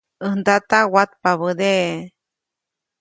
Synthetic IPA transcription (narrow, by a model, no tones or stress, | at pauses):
ənd̪at̪awat̪̚paβəd̪e